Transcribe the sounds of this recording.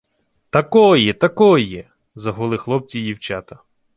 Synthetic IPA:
t̪ɐkɔjɛt̪ɐkɔjɛ | zɐɦʊlˠɪxlˠɔp̚t͡sʲidʲiwt͡ʃat̪ɐ

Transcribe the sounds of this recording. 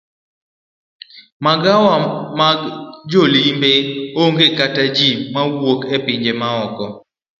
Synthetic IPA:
maɡawamaɡd͡ʒolimbeoŋɡekatad͡ʒimawwokepɪɲd͡ʒemaɔkɔ

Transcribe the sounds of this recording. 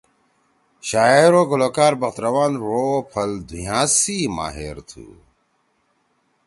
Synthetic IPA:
ɕaːeɾoːɡuloːkaːɾbɐxt̪ɾɐwaːnɾoːpʰɐld̪ʱujãːsiːma̰ːɦḛɾt̪ʰṵː

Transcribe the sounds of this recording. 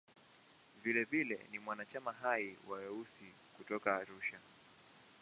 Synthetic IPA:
vilɛvilɛ̰nimwanat͡ʃamaɦaiwawɛusi | kutɔkaːɾuʃa

